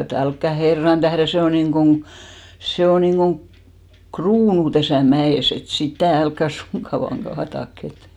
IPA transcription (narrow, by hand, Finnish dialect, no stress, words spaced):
et ælkːæ herːɑn tæhren̞ se o niŋɡ̊oŋ se o niŋɡ̊oŋ kruːnu tæsæˑ mæeˑs et sitæˑ ælkːæ suŋkːɑ ʋɑːŋ ɡ̊ɑːtɑk et